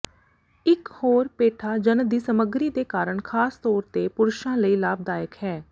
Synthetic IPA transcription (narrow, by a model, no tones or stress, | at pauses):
ɪkhoːɾpeːʈʰaːd͡ʒənd̪iːsəməɡɾiːd̪eːkaːɾəɳkʰaːst̪ɔːɾt̪eːpʊɾʊʃãːləiːlaːb̚d̪aːjəkɦɛː